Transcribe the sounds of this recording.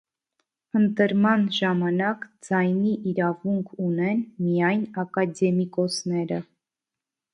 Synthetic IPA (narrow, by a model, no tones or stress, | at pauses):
ənt̪əɾmɑnʒɑmɑnɑkd͡zɑjniʔiɾɑvuŋkʰunɛnmijɑjnɑkɑd̪ɛmikɔsnɛɾə